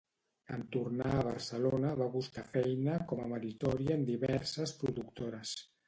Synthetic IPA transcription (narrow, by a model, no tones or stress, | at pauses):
ənt̪uɾnaəβəɾsəlonəβaβuskafɛjnəkɔməməɾit̪ɔɾiəːnd̪iβɛɾsəspɾuðukt̪oɾəs